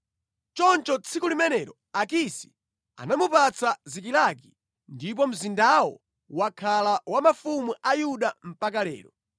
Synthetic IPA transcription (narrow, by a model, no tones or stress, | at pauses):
t͡ʃɔnt͡ʃɔt͡sʰikulimɛnɛɾɔ̰ | akisi̥ | a̰namupat͡sʰazik̬ilaki | ndip̬ɔm̩zindawɔ̰ | wakʰalawamafumuʔajuɗam̩pak̬alɛ̰ːɾɔ